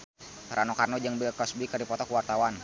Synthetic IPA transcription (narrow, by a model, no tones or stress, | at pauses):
t̪ɾʔanɔkarnɔd͡ʒəŋbilkɔsbikɨərdipɔt̪ɔkuwart̪awan